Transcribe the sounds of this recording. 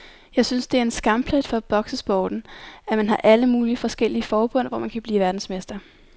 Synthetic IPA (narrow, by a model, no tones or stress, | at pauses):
jɑ̈ɪsynsd̥e̝æɐe̝nsɡ̥ɑ̈mpʰlæd̥fɒ̽b̥ɒ̽ɡ̥səsb̥ɒ̰ːd̥n̩æmænɦɑ̈ʔæləmuːliəfɒ̽sɡ̥el̰iəfɒːb̥ɔ̽n̰ʋɒ̰ːmænkʰæb̥liːʋæɐd̥n̩smesd̥ɐ